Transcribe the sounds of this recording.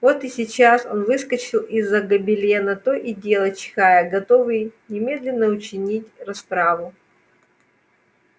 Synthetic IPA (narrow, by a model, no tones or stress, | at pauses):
vo̞t̪ɨsʲɪt͡ɕaso̞nvɨskət͡ɕɪlˠizːəɡəbʲɪlʲenɐt̪oʔɪdʲelˠət͡ɕɪ̥xajəɡɐt̪o̞vɨjnʲɪmʲe̞d̪lʲɪnːəʊt͡ɕɪnʲitʲrɐspɾavʊ